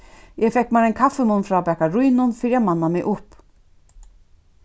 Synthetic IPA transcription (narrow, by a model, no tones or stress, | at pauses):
ɛfɛhkmaːɾɛjnkʰafːɪmʊnfɾapɛːhkaɾujnʊnfɪːɾɪaðmanːamɪʔʊhp